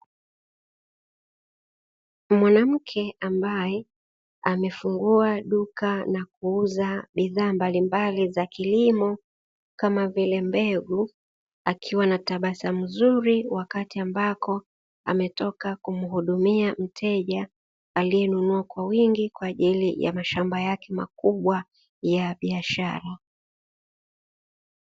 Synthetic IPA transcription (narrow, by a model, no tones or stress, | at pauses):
mwanam̩kʰɛambajɛ | amɛfuŋɡuaɗukanak̚uuzaɓiðaːmbalimbalizakilimɔ | kamavilɛmbɛɡu | akʰiwanataɓasam̩zuɾiwakatiambakɔ | a̰mɛtɔkakum̩huɗumiam̩tʰɛʄa | alijɛnunuakwawiŋɡikwaːʄilija̰maʃambajakɛmakuɓwa | jaɓiaʃaɾa